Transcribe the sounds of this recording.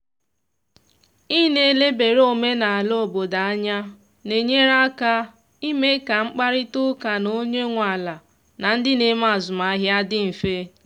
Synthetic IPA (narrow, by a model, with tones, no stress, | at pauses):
i˦ne˦˨˦le˦be˨ɾo˦me˦na˨a˨lo˦˨bo˨da˨a˦ɲa˦ | ne˨ɲe˦ɾa˦ka˦ | i˦me˦ka˨ŋ͡m̩˦k͡pa˦ɾɪ˦tʊ˦ka˨no˦ɲe˦ŋʷa˨la˨ | na˨n̩˦dɪ˦ne˨˦ma˨zʊ˨ma˨˦ɦja˦dɪ˦m̩˨fe˦